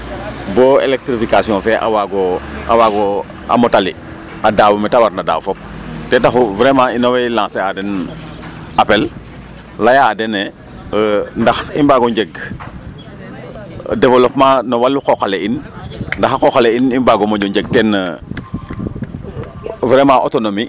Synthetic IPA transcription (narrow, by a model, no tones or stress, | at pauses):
bɔḛlek̚tɾifikasijɔ̃ːfɛʔa̰waɡɔawaɡɔ | a̰mɔtali | adaːwumɛtawarnada̰ːwfɔp̚ | tɛtaxuvɾɛmainowɛjlãːsɛadɛn | apɛl | lajaːdɛnɛ | ndɐximbaɡɔɲɟɛɡ | devolɔpmãnɔwalːukoxaleinndaxakɔxaleinimbaɡɔmɔɲɔɲɟɛɡ̚tɛnə | vɾɛmãʔotonomi